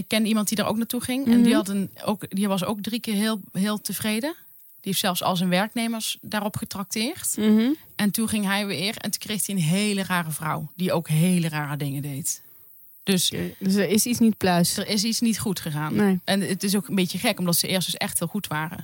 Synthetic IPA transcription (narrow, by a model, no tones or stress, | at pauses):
ɪkːɛnimɑntdidəːɹʔo̰knaːtuχɪŋɛ̰ndiɦɑdəno̰wkdiʋɑs̬o̰wk̚drikɪːɹɦɪːlˠɦɪːlˠtəvrejdə | d̥ieftsɛlˠfsɑ̰lˠsɛnʋɛɹknejməɹsdaːrɔpχətrɑk̚tɪːɹt | ɛntunχɪŋɦɛjʋɪːrɛ̰ntu̥nkrejxdiənɦejləraːrəvrʌwdiowkɦejləraːrədɪŋədejt | d̥øsəɹɪsisnit̚plœːsdəɹɪsitsnitχutχəɣaːnʔɛnətɪs̬oːkəmbetəχɛkɔmdɑtsəʔɪːstəsɛ̰xthɪːlˠχutʋaːrə̰